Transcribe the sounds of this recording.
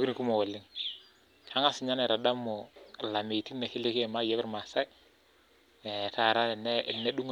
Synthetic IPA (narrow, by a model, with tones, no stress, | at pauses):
ki˦ɾku˦mɔ˨wɛ˨lːɪ˦ŋ | kʰa˦ŋa˦sɪ˨ɲa˦nɛ˨ɾa˨da˦mɔ˨la˨me˨ti˦nnɛ˨ki˦le˦ke˦ɛ˨ma˦jɛ˦bɪ˦ɾma˨sa˦j | ɛ˨ta˨ɾa˦˨nɛ˦nːɛ˦ɗu˦ŋ